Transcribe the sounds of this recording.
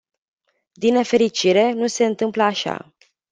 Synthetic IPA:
d̪inːe̞fe̞ɾit͡ʃiɾe̞nuse̞ɨnt̪ɨmpləaʃa̰

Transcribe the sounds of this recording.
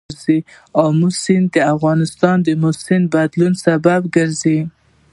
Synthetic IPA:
ɾzi | awmʊsɪnd̪əafɣɑnɪst̪ɑnd̪əmʊsɪnbad̪lunsababɡəɾzi

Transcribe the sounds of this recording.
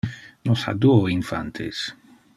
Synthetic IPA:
nosa̰d̪uoiɱfa̰nt̪ʰḛs

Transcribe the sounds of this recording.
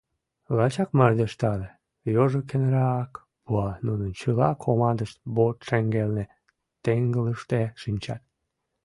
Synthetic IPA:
lɑt͡ɕɑkmɑrd̪eʃt̪ɑle | joʒokenɾɑk | puɑnunənt͡ɕəlɑkʰomɑnd̪əʃt̪̚bot̪ʃeŋɡelne | t̪eŋɡələʃt̪eʃinʲt͡ɕɑt̪̚

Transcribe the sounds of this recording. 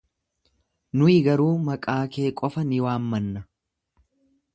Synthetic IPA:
nʊɪɡɐɾuːmɐkʼaːke̞ːkʼɔfɐnɪwaːmːɐnːɐ

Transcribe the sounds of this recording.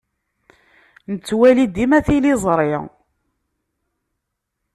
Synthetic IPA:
nət͡sːwælid̪imæθilizˤɾˤɪ

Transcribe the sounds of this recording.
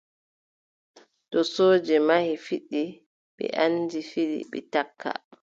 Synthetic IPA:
tɔsoːd͡ʒɛmahifiɗːi | ɓɛ̰ʔandifiɗḭɓɛ̰takʰːa̰

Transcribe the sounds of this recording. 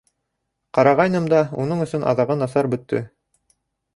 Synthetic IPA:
qɑɾɑʁɑjnɤmd̪ɑunɤɴɵ̆sɵnʔɑ̰ðɑʁɤnɑθɑɾbɵ̆t̪ːɵ̰

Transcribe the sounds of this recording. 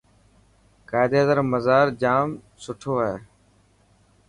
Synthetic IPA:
kaːɪd̪eːɦəzəɾməzaːɾd͡ʒaːm | sʊʈʰoːaːɦeː

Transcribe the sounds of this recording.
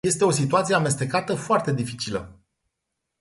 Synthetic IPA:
e̞st̪e̞o̞s̬it̪uat̪sieame̞st̪e̞kat̪əfoart̪e̞d̪ifi̥t͡ʃilə̰

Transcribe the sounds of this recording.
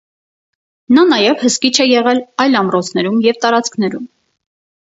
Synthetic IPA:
nɑnɑjɛvhəskit͡ʃʰɛjɛʁɛlɑjlɑmɾɔt͡sʰn̪ɛɾumjɛvt̪ɑɾɑt͡skʰn̪ɛɾum

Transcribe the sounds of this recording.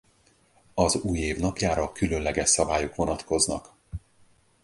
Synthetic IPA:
ɒzuːjeːvnɒpjaːɾɒkylø̞nlɛɡɛʃsɒbaːjokvo̞nɒt̪ko̞znɒ̰k

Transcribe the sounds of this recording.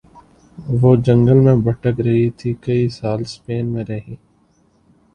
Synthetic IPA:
ʋoːd͡ʒə̃ŋɡəlmẽbəʈəkɾəɦit̪ʰikəisaːlspeːnmẽɾəɦĩː

